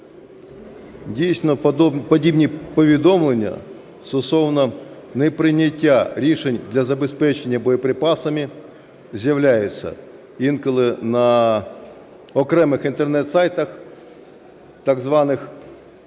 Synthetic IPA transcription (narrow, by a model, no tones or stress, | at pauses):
dʲijsʲnɔpɔdʲibnʲipɔʋʲid̪ɔmlˠenʲːɐ̰ | st̪ʊsɔwnɐ | nɛpɾɪnʲɐtʲːaɾʲiʃenʲd̪lʲɐzɐbespɛt͡ʃenʲːɐbɔjɐpɾɪpɑsɐmʲi | zʲjɐʋlʲajʊt͡sʲːɐ̰ | inkɔlˠɪnɐ | ɔkɾɛmɪxɪnt̪ernɛt̪sajt̪ɐx | t̪ɐɡzʋɑnɪx